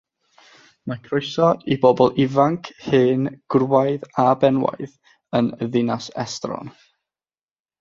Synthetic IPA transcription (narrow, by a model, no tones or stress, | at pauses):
makʰroɨsɔibɔbɔlˠɪvaŋkʰhɨːnɡ̥rwajðabɛnwa̰jð | ənðɪnasɛ̰strɔ̰n